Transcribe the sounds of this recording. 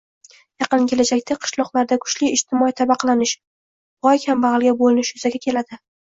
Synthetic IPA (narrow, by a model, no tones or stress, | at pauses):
jɑqɨnkʲʰe̞lad͡ʒakʲt̪ʰaqʰɨ̥ʃlˠɒqlˠaɾd̪akʰʊ̥ʃlɪɪʃt̪ʰɪmɒit̪ʰabɑqʰɑlanɪʃ | bɒjkʲhambaʁɨlˠɡʲabolɪnɪʃjʊzaɡʲakʲʰe̞lad̪ɪ